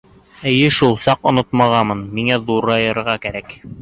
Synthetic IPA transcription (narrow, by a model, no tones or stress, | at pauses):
ɘjɘʃulˠsɑqŏnot̪mɑʁɑmɤnmiŋæðuɾɑjɤ̆ɾʁɑkæɾæk